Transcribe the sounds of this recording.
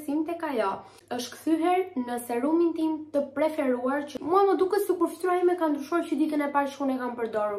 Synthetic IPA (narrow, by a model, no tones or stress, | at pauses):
simt̪ɛkajɔ | əʃt̪kθyɦɛɾnəsɛɾumint̪imt̪əpɾɛfɛɾuaɾcəmuamɔd̪ukəsəkuɾfi̥t̪uajimɛkand̪ɾyʃuaɾcəd̪it̪ənɛpaɾʃkunɛkampəɾd̪ɔɾu